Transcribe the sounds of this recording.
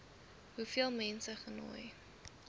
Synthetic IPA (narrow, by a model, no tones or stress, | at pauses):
ɦufiəlˠmɛnsəχəno̰ːj